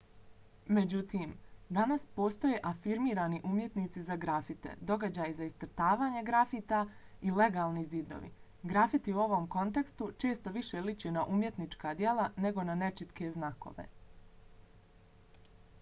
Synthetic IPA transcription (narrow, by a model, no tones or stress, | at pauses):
me̞d͡ʑut̪iːmd̪anaspo̞ːst̪o̞je̞ʔafiɾmiːɾaːniʔumje̞t̪nit̪sizaɡɾafit̪ḛd̪o̞ɡad͡ʑaːjizaist̪ɾ̩t̪aːʋaːɲeɡɾafiːt̪aile̞ɡaːlˠnizid̪o̰ʋḭ | ɡɾafit̪iuo̞ʋo̞mko̞nt̪e̞kst̪ut͡ʃe̞ːst̪oʋiʃelit͡ɕenaʔumje̞t̪nit͡ʃkaːd̪je̞lˠane̞ɡo̞nane̞t͡ʃit̪ke̞znako̞̰ʋḛ